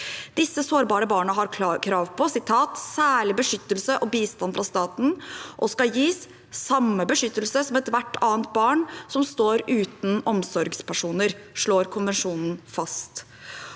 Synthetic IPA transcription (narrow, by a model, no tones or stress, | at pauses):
d̪̥ɪsːəsoːɾbɑːɾəbɑːɳəɦɑɾkʰɾɑːkʰɾɑːʋpʰɔsɪt̪ʰːɑːt̪sæːɭɪbəʂʏt̪ːəlsəʔɔbiːst̪ɑnfɾɑst̪ɑːt̪n̩ʔɔskɑjiːsː | ɑmːəbəʂʏt̪ːəlsəsɔmɛt̪ʋæʈːɑːənt̪̚bɑːɳsɔmst̪oːɾʉːt̪n̩ɔmsɔɾɡspæʂuːnəɾʂɭoːɾkʰʊnʋɛnʂuːnn̩fɑst̪